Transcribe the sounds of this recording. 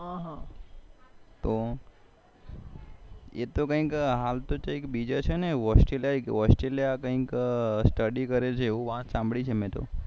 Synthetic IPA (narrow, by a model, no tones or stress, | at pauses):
ɦãɦã | t̪o | jḛt̪okə̃ɦĩkɦalt̪ot͡ʃaekbid͡ʒat͡ʃʰeneɔsʈɾeljaekɔsʈɾelijakəɦĩksʈəɖikəɾet͡ʃʰeoʋəɦãt̪sãmbʱɽit͡ʃʰemɛ̃t̪o̰